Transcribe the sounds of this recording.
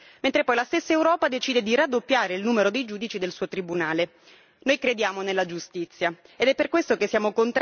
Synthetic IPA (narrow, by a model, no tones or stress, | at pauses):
ment̪ɾepɔjlast̪esːaewɾɔːpad̪et͡ʃiːd̪ed̪irad̪ːopːjaːɾeilnuːmeɾod̪ejd͡ʒuːd̪it͡ʃid̪elsuːot̪ɾibunaːle | nojkɾed̪jaːmonelːad͡ʒust̪it̪sːja | ed̪ɛpːerkwest̪okesːjaːmokont̪